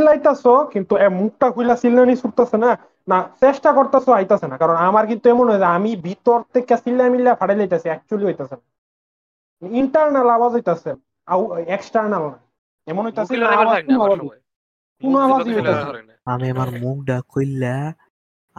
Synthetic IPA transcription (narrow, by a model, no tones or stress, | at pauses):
lajt̪asɔkint̪uemuk̚ʈaɦujlasilnanisuɾt̪asena | nat͡sesʈakɔɾt̪asɔajt̪asenakaɾɔnamaɾkint̪uɛmɔnɦɔjseamibʱit̪ɔɾt̪ekasilaamilafʰaɽajlajt̪asiɛk̚t͡ʃualiɦojt̪asena | niɳʈaɾnalawazɦojt̪ase | aweksʈaɾnalna | eɛmonɦojt̪asɛenaawakunawad͡zi | kunoawad͡ziɦojt̪ase | amiamaɾmuk̚ɖakojla